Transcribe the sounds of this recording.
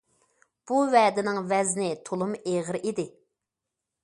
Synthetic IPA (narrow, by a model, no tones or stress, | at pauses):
b̥uvɛːd̪ɪnɪŋvɛznɪt̪ʰolˠumeʁəɾid̪ɪ